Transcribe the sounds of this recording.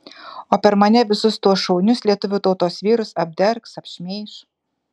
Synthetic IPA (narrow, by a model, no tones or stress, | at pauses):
oːpʲɛɾmɐnʲɛʋʲɪsʊst̪uɔsʃɔʊnʲʊslʲiɛt̪ʊʋʲʊt̪ɔʊt̪oːsʋʲiːɾʊsɐb̚ʲd̪ʲɛɾksɐpʲʃʲmʲeːʃ